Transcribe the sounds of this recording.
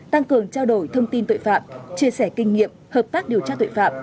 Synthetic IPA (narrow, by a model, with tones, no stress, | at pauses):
t̪a˧ŋkɨ˨˩əŋt͡ɕaː˧wɗo˧˩jt̪ʰə˧wŋ͡mt̪i˧nt̪o̰˧˨jfa̰ː˧˨mt͡ɕi˧əsɛ˧˩kï˧ŋ̟ŋḭ˧˨əmhəː˨˩p̚t̪aː˦˥k̚ɗi˨˩əwt͡ɕaː˧t̪o̰˧˨jfa̰ː˧˨m